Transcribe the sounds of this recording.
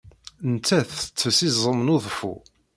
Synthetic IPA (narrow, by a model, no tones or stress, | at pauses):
nt͡s̪ːæθət͡sːəsizˤəmnoðˤfṵ